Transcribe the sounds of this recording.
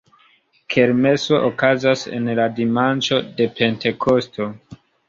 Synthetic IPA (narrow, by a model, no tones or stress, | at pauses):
kʰe̞ɾme̞so̞ʔokazase̞̰nladimant͡ʃo̞de̞pe̞nte̞kʰo̞stʰo̞